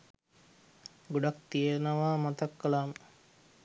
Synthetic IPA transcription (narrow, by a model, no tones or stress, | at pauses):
ɡoɖak̚t̪ijəɾnəʋaːmat̪akːəlaːmə